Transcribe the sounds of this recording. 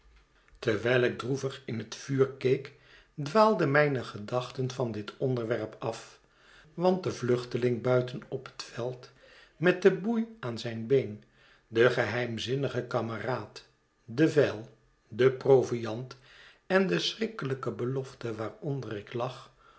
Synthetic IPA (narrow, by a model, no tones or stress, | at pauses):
təɹʋɛjlˠɪɡ̚druvəχɪnɦətfyːɹkejk | dʋaːlˠdəmɛjnəχədɑχtənvɑndɪtʰɔndəɹʋɛɹpɑf | ʋɑnt̚dəvlɵχtəlɪŋbœɥtənɔpə̥tfɛlˠt | mɛt̚dəbujaːnzɛjnbejn | dəχəɦɛjmzɪnəχəkɑməraːt | dəvɛlˠ | dəprowvijɑnt | ɛndəsrɪkələkəbəlɔftəʋaːɹɔndərɪklɑχ